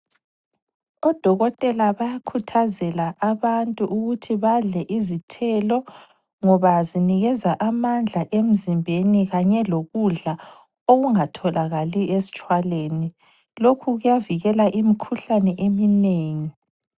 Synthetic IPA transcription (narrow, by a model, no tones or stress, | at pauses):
ɔd̥ʱɔɣɔtʼɛlaβajakʰutʰazɛlaʔaβantʼuʔuɣutʰiβaɮɛʔizitʰɛlɔ | ŋɔβaziniɣɛzaʔamand͡ɮʱaʔem̩zimbʱeniɣaɲɛloɣuɮa | oɣuŋatʰɔlaɣaliʔesi̥t͡ʃʼwaleːni | lokʰuɣujaviɣɛlaʔimikʰuɬanɛʔemineːŋi